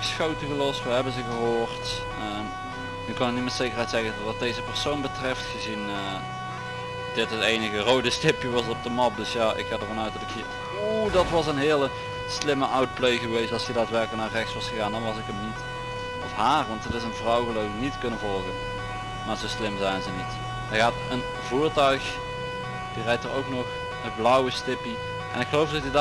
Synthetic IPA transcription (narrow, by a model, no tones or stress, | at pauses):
sxowtəɣəlɔstʋəɦɛbənzəɣəɦoːrt | ə | nykɑnəknitmɛtsejkərɦɛjtsɛɣəʋɑt̚dejzəpərsownbətrɛftxəzinə | d̥ɪtətejnəɣərowdəstɪpjəʋɑsɔp̚dəmɑp̚dɵsjaːʔɪ̰kadərvɑnœɥtdɑtɪkhiːr | odɑtʋɑsənɦɪːəlˠə | slɪməʔawt̚plejɣəʋejstɑlˠsidaːtʋɛɹklənaːrɛxsʋɑsxəɣaːndɑnʋɑsɪkəmnit | ɔfɦaːrʋɑntətɪsənvrɑwɣəlowknitkɵnəvɔlˠɣən | maːzowslɪmzɛjnzənit | əɣaːtən | vuːɹtœɥx | d̥irɛjtərowknɔx | əblʌwəstɪpi | ʔɛ̰nɪkxəlowfdɑtəd